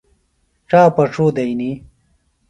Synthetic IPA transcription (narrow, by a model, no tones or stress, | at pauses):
ʈ͡ʂaːpɐʈ͡ʂuːd̪ɐini